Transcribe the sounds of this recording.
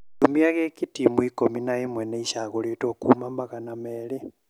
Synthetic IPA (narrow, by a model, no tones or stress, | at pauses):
tumiaɣekitimuikominaimweneiʃaɣolitokumamaɣanameːli